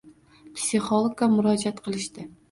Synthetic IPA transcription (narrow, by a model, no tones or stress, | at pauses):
psʲiχolˠokamʊɾɒd͡ʒat̪qʰɨlˠɪʃt̪ɪ